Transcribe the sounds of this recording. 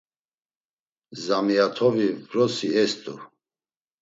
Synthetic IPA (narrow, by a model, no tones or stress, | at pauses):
zamiat̪ʰɔvivɾɔsiɛst̪ʼṵ